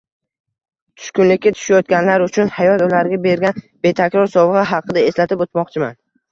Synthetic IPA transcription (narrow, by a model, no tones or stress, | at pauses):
t̪ʰʊ̥ʃkʊnlɪkʲːat̪ʰʊ̥ʃajɒt̪̚ɡʲanlaɾʊt͡ʃʰʊnhajɒt̪ʊlaɾɡʲabe̞ɾɡʲan | b̥e̞t̪ʰakʲɾɒɾsɒvʁɨɦɑqʰɨd̪ae̞slat̪ɪpot̪mɒqt͡ʃʰɪma̰n